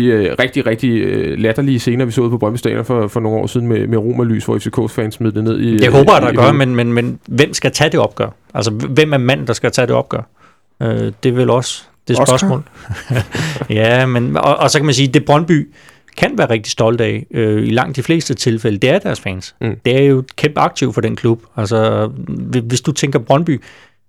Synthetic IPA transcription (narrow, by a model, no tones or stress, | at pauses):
iʁɛɡ̥̚d̥iʁeɡ̥̚d̥ilæd̥ɐliəse̝ːnɐʋisɔ̰ːuð̩̰ˠpʰɒ̥ʁɶnb̥əsd̥ɛ̰ːlɐfɒfɒ̽no̝ŋ̩ɒ̰ːsiðˠn̩memeʁo̝̰ːmæly̰ːsʋɒ̰efse̝kʰo̰ːsfɛnsmið̩ˠd̥əne̝ð̞ˠid̥e̝ɦɔ̰ːb̥ɐjæd̥ɑɡɶɐmenmenmenʋem̰sɡ̥æt͡sʰæd̥e̝ɒ̽b̥̚ɡ̥ɶːɐ | ælsɒʋem̰æɐmæn̰n̩d̥ɑ̈sɡ̥æt͡sʰæɾ̥e̝ɒ̽b̥̚ɡ̥ɶɐ | ød̥e̝ʋelɒ̽s | d̥e̝sɶɐsmɔ̰ːl | jæmenɒʔɒ̽sɒ̽kʰæmæns̬iːd̥e̝b̥ʁɶnb̥y̰ː | kʰænʋæːɐʁeɡ̥̚d̥i̥sd̥ɒ̽ld̥əɛɪøilɑ̈ŋ̰d̥d̥ifle̝̰ːsd̥ət͡sʰe̝lfeləd̥e̝æɐd̥æɐsfɛːnsd̥e̝æɐjo̝kʰemb̥əɑ̈ɡ̥̚t͡sʰiʊfɒ̽ɾ̥enkʰlub̥ælsɒ | ʋe̝sd̥ut͡sʰeŋɡ̥ɐb̥ʁɶnb̥y̰ː